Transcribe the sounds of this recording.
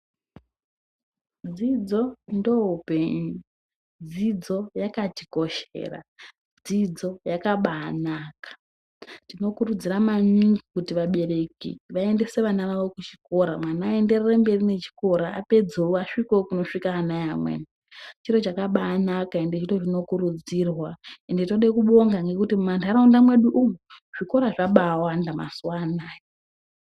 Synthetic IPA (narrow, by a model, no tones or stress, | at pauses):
d͡zid͡zo̞ndoɦupe̞ɲu | d͡zid͡zo̞jakatiko̞ʃḛːra̰ | d͡zid͡zo̞jakaɓaːnaːkḁ | tino̞kurud͡ziramaɲiŋɡikutiʋaɓe̞re̞kḭʋae̞nde̞se̞ʋanaʋaʋo̞kut͡ʃi̥ko̞ɾamwanaːe̞nde̞rerembe̞rine̞t͡ʃi̥ko̞ɾaa̰pe̞d͡zouaʂikokuno̞ʂikaːnajamwḛn | t͡ʃiro̞t͡ʃakaɓaːnakaendet͡ʃito̞ʐino̞kuɾud͡zirwaendito̞ɗekuɓo̞ŋɡaŋɡe̞kutimumantʰuaɾaundamwe̞ɗuʔumu | ʐ̥iko̞ɾaʐaɓawandama̰suwanaːjo